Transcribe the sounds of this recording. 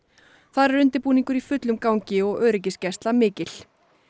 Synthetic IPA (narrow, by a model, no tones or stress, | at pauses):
θaðɾɛɾʏnt̪ɪɾpuːniŋkʏɾifʏt̪lʏmkawɲcɪɔɣœːɾɪc̬ɪscɛst̪lamɪːcɪl̥